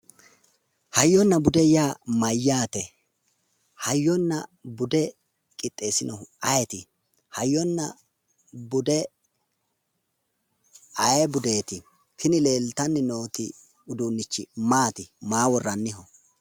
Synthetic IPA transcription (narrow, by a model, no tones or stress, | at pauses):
hɐjːɔnːɐbʊd̪ɛjaːmɐjːaːt̪ɛ | hɐjːɔnːɐbʊd̪ɛ | kʼɪt̪ʼːe̞ːsɪnɔʔɐjɛt̪ɪ | hɐjːɔnːɐ | bʊd̪ɛ | ɐjɛbʊd̪eːt̪ɪ | kʰɪnɪle̞ːlt̪ɐnːɪno̞ːt̪ɪ | ʊd̪uːnːɪt͡ʃːɪmaːt̪ɪmaːwɔrːɐnːɪɦɔ